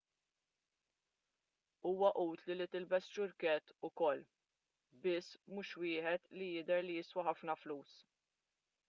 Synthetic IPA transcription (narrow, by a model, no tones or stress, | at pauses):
uːwɐʔuːt̪lilit̪ɪlbɛst͡ʃʊɾkɛt̪ːʊkɔlː | bɪsːmuːʃwɪːħɛt̪lijɪd̪ɛɾlijɪswɐħɐfnɐfluːs